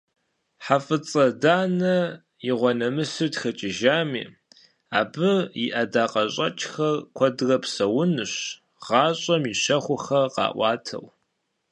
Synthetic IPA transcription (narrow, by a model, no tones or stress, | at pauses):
ħafɨt͡sʼɐdaːnɐ | jɪʁʷɔnɐmɨsɨtxɐt͡ʃʼɪʒaːmḭː | aːbɨjḭʔɐdaːqʼɐɕʼɐt͡ʃʼxɐrkʷʰɔdɨrɐpsɐwʊnɨɕ | ʁɑːɕʼɐmiɕɐχʷʊxɐqɑ̰ːʔʷɑ̰ːtʰɐ̰w